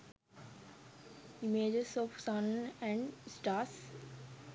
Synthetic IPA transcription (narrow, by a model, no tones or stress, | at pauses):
imeːd͡ʒesɔfsʌ̃nɛ̃ɳɖsʈaːs